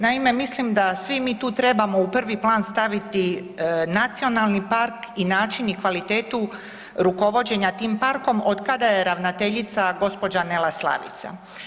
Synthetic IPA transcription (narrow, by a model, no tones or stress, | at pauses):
naime̞mislimd̪asʋimiːt̪uːt̪ɾe̞bamo̞upr̩ʋiplˠaːnst̪aʋit̪inat̪sio̞nalˠnipaɾkinaːt͡ʃinikʋalit̪e̞ːt̪u | ɾuko̞ʋo̞d͡ʑe̞ɲat̪iːmpaɾko̞mod̪kad̪aje̞ɾaʋnat̪e̞ʎit̪saɡo̞spo̞d͡ʑanelaslˠa̰ʋḭt̪sa̰